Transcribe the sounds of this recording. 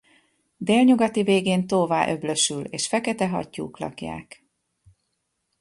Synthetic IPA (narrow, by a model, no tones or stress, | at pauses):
d̪eːlɲuɡɒt̪iveːɡeːnt̪oːvaːʔø̞blø̞ʃyleːʃfɛkɛt̪ɛɦɒ̰cːṵːklɒ̰kja̰ːk